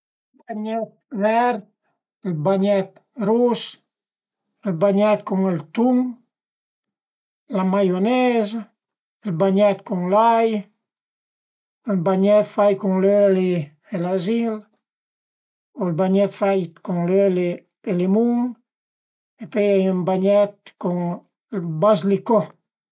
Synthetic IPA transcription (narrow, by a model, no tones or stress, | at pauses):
lbaɲɛt̪̚vɛɾt̪ | lbaɲɛt̪̚ | ɾus | elbaɲɛt̪̚kɔŋelt̪uŋ | lamajonɛz | elbaɲɛt̪̚kɔŋlaj | elbaɲɛt̪fajkɔŋløle | elazil | olbaɲɛt̪fajkɔŋløle | elemuŋ | epɛjajɛmbaɲɛt̪̚kɔŋ | lbazlikɔ